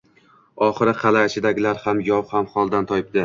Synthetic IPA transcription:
ɒχɨɾɪqʰɑlaʃɪd̪aɡʲɪlaɾhamjɒwhamχɒlˠd̪ant̪ʰɒjɪp̚d̪̥ɪ

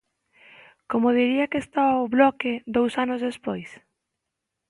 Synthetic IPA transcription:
komoðiɾiɐkest̪aβoβlɔked̪owsanʊzðespojs

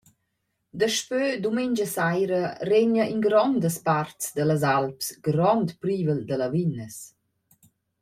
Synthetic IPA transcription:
d̪əʃpød̪umeɲd͡ʒəsajɾəreɲəʔinɡɾɔnd̪əspartsd̪ələzalpsɡɾɔnt̪pɾiːvəld̪ələvinəs

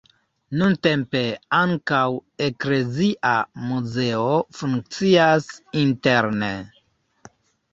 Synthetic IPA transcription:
nunte̞mpe̞aŋkawe̞kle̞ziʔamuze̞ofuŋk̚t͡siasinte̞ɾnḛ

